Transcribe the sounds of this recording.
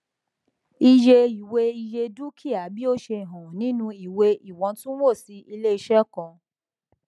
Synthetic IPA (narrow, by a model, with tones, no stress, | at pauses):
i˧d͡ʒe˧i˨we˧˦i˧je˧du˦kʰi˦a˨bi˦o˦ʃe˧˨ɦɔ̃˨nĩ˨˦nũ˧i˨we˧i˨wɔ̃˨˧˦tũ˦wo˦˨si˨˦ʔi˧le˦i˧ʃɛ˦kɔ̃˧